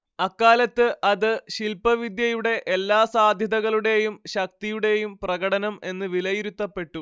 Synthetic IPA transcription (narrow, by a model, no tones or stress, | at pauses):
ɐkːaːlɐt̪ːɨʔɐðɨɕilpɐʋid̪jɐjuɽe̞ʔelːaːsaːd̪ʱjɐðɐɣɐɭuɽe̞jumɕɐk̚t̪ijuɽe̞jumprɐɣɐɽɐnɐme̞nːɨʋilɐjiɾut̪ːɐpːe̞ʈːu